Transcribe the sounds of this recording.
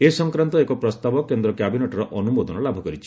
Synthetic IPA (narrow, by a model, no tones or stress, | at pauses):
esɔŋkɾant̪ɔekɔpɾɔst̪abɔkend̪ɾɔkjabineʈɔɾɔʔɔnumod̪ɔnɔlabʱɔkɔɾit͡ʃʰi̥